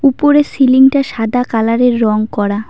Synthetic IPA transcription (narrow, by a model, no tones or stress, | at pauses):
upoɾesiliŋʈaʃad̪ʱakalaɾeɾːɔŋkɔɾa